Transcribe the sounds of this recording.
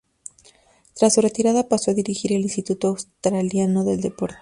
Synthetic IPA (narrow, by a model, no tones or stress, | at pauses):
t̪ɾasːure̞t̪iɾaðapaso̞aðiɾixiɾelinst̪it̪ut̪oawst̪ɾaljano̞ðe̞ld̪e̞po̞ɾt̪e̥